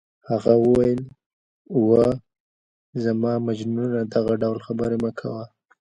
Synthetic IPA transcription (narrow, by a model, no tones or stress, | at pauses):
haɣawəwajəl | wə | zamɑmad͡ʒnunad̪aɣaɖawlxabəɾemakʰa̰wa